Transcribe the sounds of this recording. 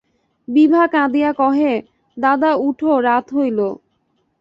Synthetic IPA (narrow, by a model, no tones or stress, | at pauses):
bibʱakãd̪ijakɔɦe | d̪ad̪auʈʰoɾat̪ɦojlo